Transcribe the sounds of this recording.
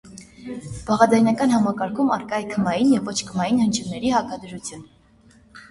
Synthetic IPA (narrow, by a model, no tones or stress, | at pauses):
b̥ɑʁɑdɑjnɑkɑnhɑmɑkɑɾkʰumɑɾkɑjɛkʰəmɑjinjɛvːɔt͡ʃʰkʰəmɑjinhənt͡ʃʰumnɛɾihɑkɑd̪əɾut͡sʰjun